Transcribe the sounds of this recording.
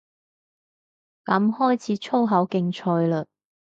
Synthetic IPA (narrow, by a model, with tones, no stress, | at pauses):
kɐ˨˥mhɔː˥jt͡sʰiː˨˥t͡sʰo˥wɦɐ˨˥wkɪ˧ŋt͡ʃʰɔː˧jləː˧